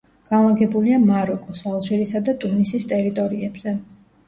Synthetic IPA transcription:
ɡ̥anlˠaɡɛbuliamaɾɔkʼɔsalˠʒɛɾisad̪at̪ʼunisist̪ʼɛɾit̪ʼɔɾiɛbz̥ɛ

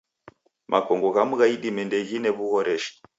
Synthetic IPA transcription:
mʔakɔŋɡɔɣamuɣaiɗimɛndɛɣinɛβuɣɔɾʔɛʃi̥

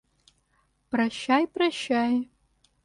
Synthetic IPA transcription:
pʼrɐʃajpʼrɐʃaj

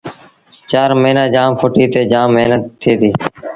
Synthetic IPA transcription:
t͡ʃaːɾməɦnãːd͡ʒaːmpʰoːʈiːt̪eːd͡ʒaːmːeːnət̪ʰːeːt̪iː

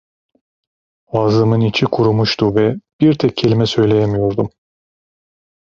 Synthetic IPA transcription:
vazɯmɯnit͡ʃʰikʰuɾumuʃt̪ʰuvɛb̥iɾt̪ʰɛcʰːe̞lʲimɛsø̞jlʲejɛmijo̞ɾd̪um

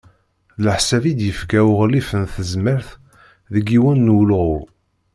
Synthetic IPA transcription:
ləħsævid̪jəfkæʊʁlifənθəzməɾθ | ðəɡːiwænːwlʁʊ

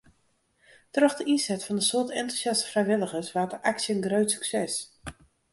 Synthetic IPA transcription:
trɔxdəinsɛtfɑndəsʊtɛntusjɑsə̥frɛjʋɪlˠəɣəsʋaːdəʔaksjəənɡrøɥtsy̥ksɛs

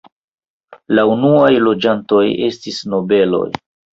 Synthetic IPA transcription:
launuajlo̞d͡ʒanto̞je̞stisno̞be̞lo̞̰j

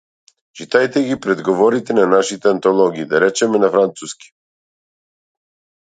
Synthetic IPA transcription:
t͡ʃit̪ajt̪ɛɡipɾɛd̪ɡɔvɔɾit̪ɛnanaʃit̪ɛant̪ɔlˠɔɡiːd̪aɾɛt͡ʃɛmɛnafɾant̪suski̥

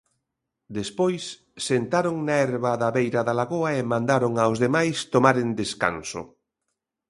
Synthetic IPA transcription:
d̪espojsː | ent̪aɾoŋnaɛɾβaðaβejɾaðalaɣoaemãnd̪aɾoŋaozðemajst̪omaɾend̪eska̰nso̰

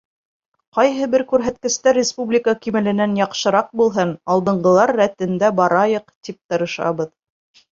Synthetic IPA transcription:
qɑjɦɤbɘɾkʉɾɦæt̪̚kɘ̆st̪æɾːʲɪspublʲɪkəkimɘ̆lɘ̆nænjɑqʃɤ̆ɾɑq̚bulˠɦɤnɑlˠd̪ɤ̆ɴɢɤ̆lˠɑɾːæt̪ɘ̆nd̪æbɑɾɑjɤqt̪ip̚t̪ɤ̆ɾɤ̆ʃɑ̰βɤð

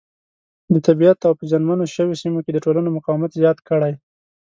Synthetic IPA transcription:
d̪ət̪abijat̪awpəd͡ʒanmanoʃəwesimoked̪əʈolanomʊqɑwmat̪zjɑt̪kəɽaj

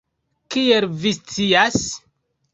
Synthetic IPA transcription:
kielvist͡sias

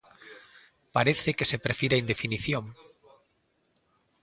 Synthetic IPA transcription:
paɾeθekesepɾefiɾaind̪efiniθjoŋ

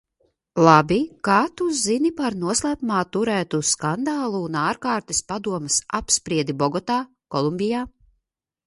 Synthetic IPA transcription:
lˠabikaːt̪uzinipaɾnuɔslˠæːpumaːt̪uɾæːt̪uskand̪aːlˠuːnaːɾkaːɾt̪ɛspad̪uɔmɐsapspɾiɛd̪ibɔɡɔt̪aː | kɔlˠumbijaː

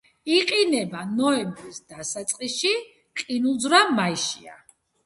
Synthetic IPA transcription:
iqʼinɛbanɔɛmbɾisd̪asat̪sʼqʼiʃi | qʼinulˠd̪zɾamaiʃḭa̰

